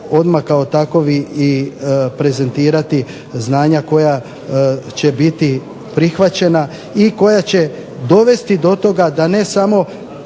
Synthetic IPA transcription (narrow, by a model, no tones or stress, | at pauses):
o̞d̪makao̞t̪ako̞ʋiipɾe̞ze̞nt̪iːɾat̪i | znaːɲako̞ja | t͡ɕe̞bit̪i | pɾixʋat͡ɕe̞na | iko̞jat͡ɕe̞ | d̪o̞ʋe̞st̪id̪o̞t̪o̞ɡad̪ane̞samo